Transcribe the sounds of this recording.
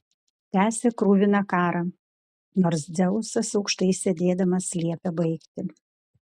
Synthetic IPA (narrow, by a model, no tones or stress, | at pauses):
t̪ʲæːsʲeːkɾuːʋʲɪnɐkɑːɾɐ | noːɾs̬d̪ʲɛʊʊsɐsɒʊkʃt̪ɐɪsʲɛd̪ʲeːd̪ɐmɐsʲlʲiɛpʲɛbɐɪkt̪ʲɪ